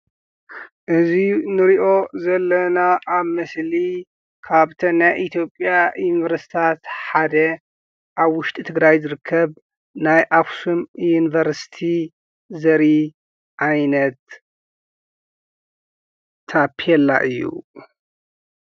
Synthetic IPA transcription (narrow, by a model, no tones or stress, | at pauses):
ʔɨzinɨɾiʔo̞zɐlːɐnaʔːβmɐsli | kʰaβt̪ʰɐnajʔit̪ʰijo̞pʼjajunivɐɾsi̥t̪ʰat̪ħad̪ɐ | ʔaβwʊʃt̪ʼit̪ʰɨɡɾajzɨɾɨkʰːɐβ | najʔafsumjunivɐɾsi̥t̪ʰi | zɐɾi | ʕajnɐt̪ | apʰiɛlːaʔɨjːṵ